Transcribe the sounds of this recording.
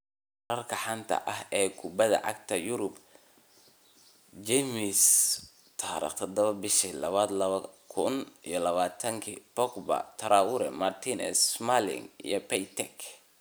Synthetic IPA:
ɾɐrkʰɐħant̪ʰɐ̰ʔɐɦɛːkʰʊbɐðɐ̰ʕɑ̰ɡt̪ʰɐjʊɾʊb | d͡ʒɛmis | t̪ʰaːɾḭːqt̪ʰɐd̪ɐβɐbɪʃilɐβaːd̪lɐβɐkʰʊnijɔlɐβaːt̪ʰɐŋkʰibɔkbɐ̰t̪ʰɐɾaːwʊɾɛ̰mart̪ʰinɛ̰smalɪ̰ŋḭjɔpɛjt̪ʰɛk

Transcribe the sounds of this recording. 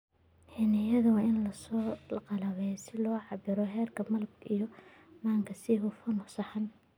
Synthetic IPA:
ħinɐjɐðɐwɑːɪnlɐsɔːqɑlɐβɛjsɪlɔːʕɑbɪɾɔɦɛːrkʰɐmɐlbijɔ | maːŋkʰɐsɪɦʊfɐnʊsɐħɐn

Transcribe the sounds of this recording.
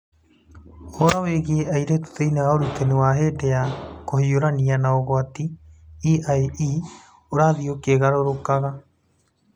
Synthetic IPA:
oɾaweɣieaiɾet̪u̥teinewaoɾut̪enewaɦeːdɛjakohioɾanianaoɣoatiiʔaeʔi | oɾaðiokeɣaɾoɾokaɣa

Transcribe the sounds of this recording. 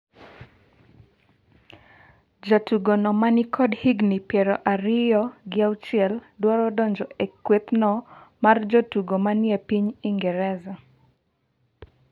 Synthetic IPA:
d͡ʒatuɡɔnɔmanikʰɔdhiɡnipjɛɾɔʔaɾɪjɔɡɪawt͡ʃɛldwɔɾɔdɔɲd͡ʒɔekwet̪nɔmard͡ʒɔtuɡɔmanɪɛpiɲiŋɡɛɾɛza

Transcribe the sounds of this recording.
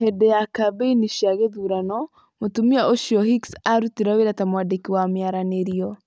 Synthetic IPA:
hedɛjakabeiniʃiaɣeðuɾanɔ | motumiaoʃiɔhiksaɾutiɾaweɾatamwandekiwamjaɾaneɾiɔ

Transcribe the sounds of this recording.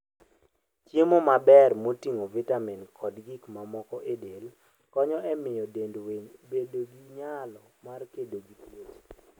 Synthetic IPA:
t͡ʃjemomabɛrmotiŋovɛtamɛnkʰɔdɡikmamɔkɔʔedel | kɔɲɔʔɛmɪjɔdendweɲbedoɡiɲalɔmarkedoɡiplot͡ʃ

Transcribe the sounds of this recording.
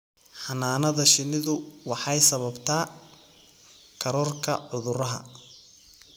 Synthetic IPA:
ħɑnaːnɐðɐʃɪnɪðʊwɑħɑjsɐβɐbt̪ʰaː | kʰɐɾɔːrkʰɐʕʊðʊɾɐɦɐ̰

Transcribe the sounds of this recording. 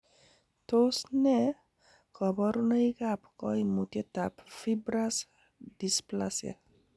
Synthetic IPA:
t̪osnɛ | kɔbɔɾnajkapkɔjmutet̪apfibɾas | displasia̰

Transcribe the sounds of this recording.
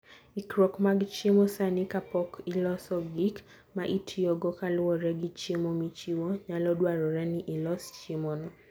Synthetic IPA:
ikɾɔkmaɡt͡ʃemɔsanɪkapɔkilɔsɔɡik | maʔitʰiɔɡɔkalʊwɔɾɛɡit͡ʃemɔmit͡ʃiwɔɲalɔdwaɾɔɾɛniʔilɔst͡ʃemɔnɔ

